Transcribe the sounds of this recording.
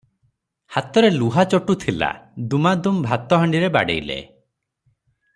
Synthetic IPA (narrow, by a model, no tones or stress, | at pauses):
hat̪ɔɾeluɦat͡ʃɔʈut̪ʰila̰d̪umad̪umbʱat̪ɔɦaɳɖiɾeba̰ɽḛjlḛ